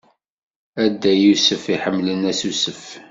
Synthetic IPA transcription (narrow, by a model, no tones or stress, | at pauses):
æd̪ːæjusəfiħəmːlənæsusəf